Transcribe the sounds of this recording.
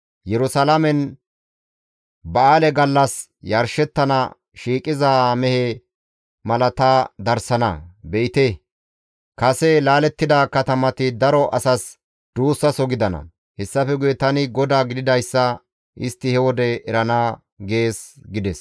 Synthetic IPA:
jɛɾʊsalɐmɛn | bɐaːlɛɡɐlːɐs | jɐɾʃɛt̪ːɐnɐ̰ | ʃiːkʼɪzamɛhɛ | mɐlɐt̪ad̪ɐɾsɐnɐ̰bɛɪt̪ɛ | kɐsɛlaːlɛt̪ːɪd̪akɐt̪ɐmɐt̪ɪd̪ɐɾɔʔɐsɐs | d̪̥uːsːɐsɔɡɪd̪ɐnɐ̰ | hɛsːɐfɛɡʊjɛt̪ɐnɪɡɔd̪aːɡɪd̪ɪd̪ɐjsːɐ | ʔɪst̪ːɪhɛwɔd̪ɛɛɾɐnaː | ɡe̞ːsɡɪd̪ɛs

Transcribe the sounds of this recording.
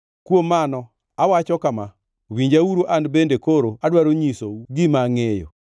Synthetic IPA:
kwomːanɔ | awat͡ʃɔkama | wiɲd͡ʒawuɾoʔandbendekoɾoadwaɾoɲisoɡɪmaŋejo̰

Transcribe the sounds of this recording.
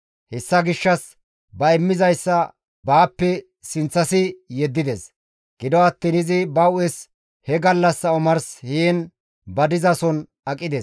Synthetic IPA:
hɛsːɐɡɪʃːɐs | bɐɛmːɪzɐjsːɐ | baːpːɛ | sɪnt͡sːɐsɪjɛd̪ːɪd̪ɛs | ɡ̥ɪd̪ɔɐt̪ːinɪzɪbɐʊɛs | hɛɡɐlːɐsɐʊmɐɾsheːn | bɐd̪ɪzɐsɔn | ɐkʼːɪd̪ɛs

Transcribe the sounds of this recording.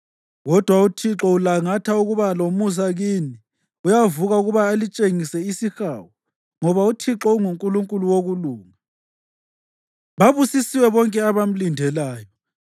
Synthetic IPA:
ɣɔd̥ʱwautʰiǁɔulaŋatʰauɣuβalomus̬aɣini | ujavuɣauɣuβaːlit͡ʃʼeŋisɛisixawɔ | ŋɔβautʰiǁɔuŋuŋkʼuluŋkʼuluwoɣuluːŋa | βaβusisiwɛβɔŋkʼɛaβam̩lindʱɛlaːjɔ

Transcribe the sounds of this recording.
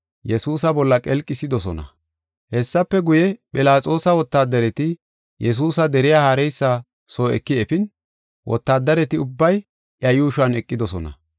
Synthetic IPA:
jɛsuːsɐbɔlːɐkʼɛlkʼːɪsɪd̪ɔsɔnɐ̰ | hɛsːɐpːɛɡʊjɛpʼɪlaːt͡sʼo̞ːsɐwɔt̪ːaːd̪ːɐɾɛt̪ɪ | jʔɛs̬uːsɐd̪ɛɾɪjaːhaːɾɛjsːa | soːɛ̰kːɪɛfɪn | wʔɔ̰t̪ːaːd̪ːɐɾɛt̪ɪʊbːɐj | ʔjɐjuːʃʊɐnɛkʼːɪd̪ɔsɔnɐ̰

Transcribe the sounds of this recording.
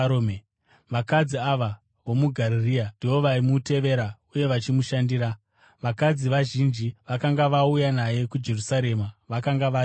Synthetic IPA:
ome | ʋakad͡ziaʋa | ʋo̞muɡʱaɾiriandiwo̞ʋaimute̞ʋe̞ɾauje̞ʋat͡ʃimuʃandiːɾa | ʋakad͡ziʋaʒind͡ʒiʋakaŋɡaʋaujanaje̞kud͡ʒe̞rusaɾe̞maʋakaŋɡaʋa

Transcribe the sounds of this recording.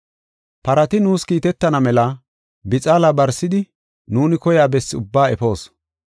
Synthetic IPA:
pɐɾɐt̪ɪnuːskiːt̪ɛt̪ːɐnɐmɛlɐ | bɪt͡sʼaːlabɐɾsːɪd̪ɪ | nuːnɪkɔjaːbɛsːɪʊbːaːɛfo̞ːs

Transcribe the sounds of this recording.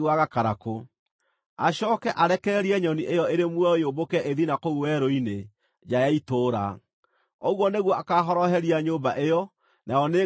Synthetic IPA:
waɣakaɾako | a̰ɕɔːkɛʔaɾɛkɛɾiɛɲɔniʔejɔeɾemwɔeobokɛʔeðinakouwɛɾoine | d͡ʒajaitoːɾa̰ | oɣwɔneɣwɔʔakaɦɔɾɔhɛɾiaɲoːbaʔejɔ | najɔne

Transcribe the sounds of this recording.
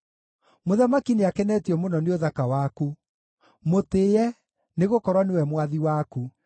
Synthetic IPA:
moðamakineakɛnɛtiɔmonɔneoðakawaku | moteːjɛ | neɣokɔɾwanewɛmwaðiwaku

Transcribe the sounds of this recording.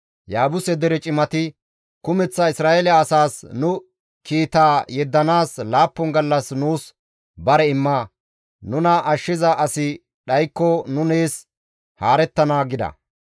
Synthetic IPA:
jaːbʊsɛd̪ɛɾɛt͡ʃʼɪmɐt̪ɪ | kʊmɛt͡sːɐɪsɾaːɛlɐːsaːsnʊ | kiːt̪aːjɛd̪ːɐnaːslaːpːɔŋɡɐlːɐsnuːs | bɐɾɛɪmːaː | nʊnɐʔɐʃːɪzɐʔɐsɪ | ɗɐjkːɔnʊneːs | haːɾɛt̪ːɐnaːɡɪd̪ɐ̰

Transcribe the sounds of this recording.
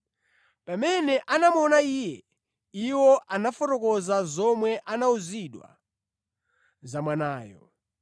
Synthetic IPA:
pamɛnɛʔanamɔnaijɛ | iwɔʔanafɔtɔkɔzazɔmwɛʔanauziɗwa̰ | zamwanaːjɔ̰

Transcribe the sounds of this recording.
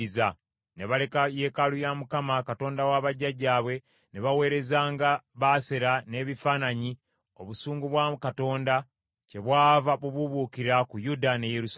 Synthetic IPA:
iza | ne̞βale̞kajeːkalujamukamakato̞ːndawaːβaɟːaɟaːβwe̞ | neβawe̞ːɾe̞zaːŋɡaβaːse̞ɾane̞ːβifaːnaɲi | o̞βusuːŋɡuβwakato̞ːnda | ce̞βwaːvaβuβuβukiɾakujudane̞jeɾus

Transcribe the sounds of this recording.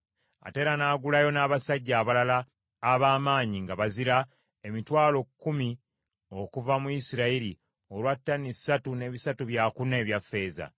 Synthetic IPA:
a̰te̞ːɾanaːɡulajo̞naːβasaɟːaːβalalaː | βaːmaːɲiŋɡaβaziɾa | e̞mitwaːlo̞kːumi | o̞kuvamuisiɾaiɾi | o̞lwatːanisːatune̞ːβisatuβjakune̞ːβjafːe̞ːza̰

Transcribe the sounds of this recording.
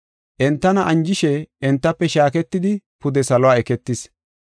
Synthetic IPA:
ʔɛnt̪ːɐnɐʔɐnd͡ʒɪʃɛɛnt̪ːɐpːɛʃaːkɛt̪ːɪd̪ɪpʊd̪ɛsɐlɔwaːɛkɛt̪ːɪs

